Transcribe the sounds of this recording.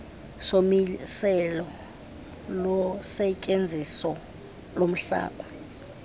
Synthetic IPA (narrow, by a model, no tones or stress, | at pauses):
somisɛlɔ | lɔsɛcʼend͡zʱisɔ | lom̩ɬa̰ːkɔ